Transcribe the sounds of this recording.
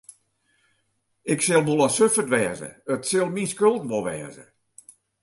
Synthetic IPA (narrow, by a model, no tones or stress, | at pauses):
ɪksɪlˠʋolˠasøfətʋɛːzə̰ətsɪlˠminskølˠtʋolˠʋɛ̰ːzə̰